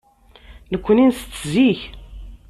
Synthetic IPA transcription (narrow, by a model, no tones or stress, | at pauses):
nəkʷːəninst͡sːziç